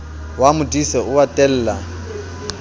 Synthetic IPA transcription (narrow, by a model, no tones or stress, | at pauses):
wamʊdʼisɛʊwatʼɛl̩ːla